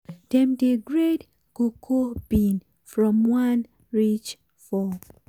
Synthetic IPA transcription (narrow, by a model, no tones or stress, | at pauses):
d̥ɛ̃mdeɡɹed | ɡ̥okʰobin | fɹɔ̃mwan | ɹit͡ʃ | fɔ